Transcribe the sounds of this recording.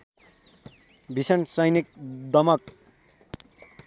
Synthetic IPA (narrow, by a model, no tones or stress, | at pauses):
bʱisʌnsʌjnik̚d̪ʌmʌk̚